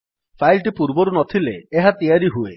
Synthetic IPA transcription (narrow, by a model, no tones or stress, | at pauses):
pʰajlʈipuɾbɔɾunɔt̪ʰileːɦat̪ijaɾiɦuḛ